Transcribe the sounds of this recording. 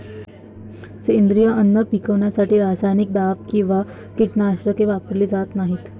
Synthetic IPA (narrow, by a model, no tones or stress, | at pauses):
send̪ɾijəʔənːəpikəʋɳjasaʈiːɾasajnik̚d̪ap̚kĩw̃ʋa | kiʈnaːɕɾəkeʋapəɾliːd͡zat̪naɦiːt̪